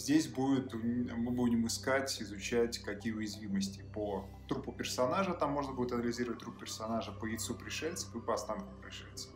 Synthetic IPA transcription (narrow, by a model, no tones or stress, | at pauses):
zʲdʲesʲbudʲɪt̪mɨbudʲɪmɨskatʲɪzʊt͡ɕætʲkɐkʲijəʊjɪzvʲiməsʲtʲɪpo | t̪ɾupʊpʲɪrsɐnaʐət̪amːo̞ʐnəbudʲɪt̪ɐnəlʲɪzʲiɾəvət̚ʲt̪ɾup̚pʲɪrsɐnaʐəpəjɪt̪supɾʲɪʂɛlʲt̪sə̥fɨpəɐst̪ankʲʊpɾʲɪʂɛlʲt̪sə̥